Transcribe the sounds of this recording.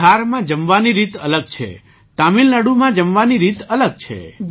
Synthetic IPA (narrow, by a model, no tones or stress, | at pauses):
aɾmãd͡ʒəmʋaniɾit̪ələɡ̚t͡ʃʰḛ | t̪amilnaɽumãd͡ʒəmʋaniɾit̪ələɡ̚t͡ʃʰḛ